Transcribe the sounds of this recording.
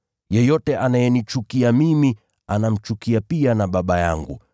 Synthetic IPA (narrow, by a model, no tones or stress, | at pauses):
jɛjɔtɛʔanajɛnit͡ʃukiamimi | anam̩t͡ʃukiapianaɓaɓaja̰ŋɡṵ